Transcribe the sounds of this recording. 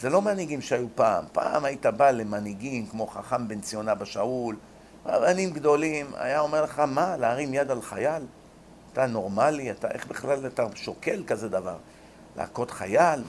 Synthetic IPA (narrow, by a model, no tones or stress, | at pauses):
z̥elo̞maniɡimʃeajupa̰ːmpa̰ːmajit̪abale̞maniɡimkmo̞χaχambent͡sijonabaʃaul | ʁa̰banimɡd̪o̞lima̰jao̞me̞ʁleχamalaːʁimjad̪alχajal | atano̞ʁmaliat̪aʔe̞χbiχlalataʃoke̞lkaze̞d̪avaʁ | la̰ːko̞tχajal